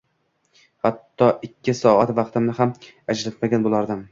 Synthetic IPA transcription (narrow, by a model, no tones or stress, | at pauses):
hat̪ːɒʔɪkʲʰːɪsɒat̪vɑqt̪ɪmnɪɦamad͡ʒlat̪maɡʲanbolˠaɾd̪ɪm